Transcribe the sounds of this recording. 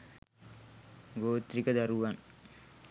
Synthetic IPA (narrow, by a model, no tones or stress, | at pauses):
ɡoːt̪ɾikɐd̪ɐɾuʋan